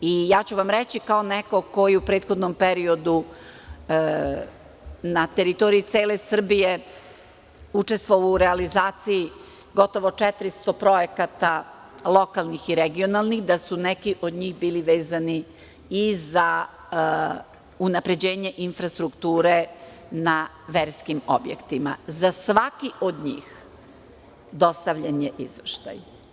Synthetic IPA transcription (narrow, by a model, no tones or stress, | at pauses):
ijaːt͡ɕuʋamɾet͡ɕikaoneko̞ko̞jiupɾe̞ːt̪xod̪nompeɾio̞d̪u | nat̪e̞ɾit̪o̞ɾiit̪se̞ːle̞sr̩bije̞ | ut͡ʃe̞st̪ʋoʋouɾealizaːt̪siji | ɡo̞t̪o̞ʋo̞t͡ʂet̪ɾist̪o̞pɾo̞jekat̪a | lˠo̞kalˠnixiɾeɡionalˠnixd̪asunekiʔo̞d̪ɲiːɣbiːliʋe̞ːzani | iza | unapɾe̞d͡ʑe̞ːɲe̞ʔinfɾast̪ɾukt̪uːɾe̞ | na | ʋeɾskimo̞̰bjḛkt̪imazasʋakiʔod̪ɲḭːx | d̪o̞st̪aʋʎaɲeʔizʋʃt̪a̰j